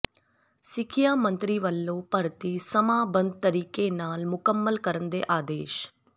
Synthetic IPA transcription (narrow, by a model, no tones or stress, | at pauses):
sɪkʰɪjaːmə̃nt̪ɾiʋəlːopɐɾt̪isəmaːbə̃nd̪̚t̪əɾiːkenaːlmʊkəmːəlkəɾənd̪ḛːʔaːd̪eːʃ